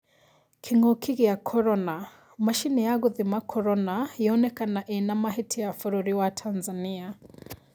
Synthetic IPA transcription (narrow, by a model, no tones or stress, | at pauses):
kʰiŋɔkʰiɣijakʰɔɾɔna | maʃinijaɣuðimakʰɔɾɔnahiɔnɛkanaʔinamaɦitʰiafuɾuɾiwatʰanzania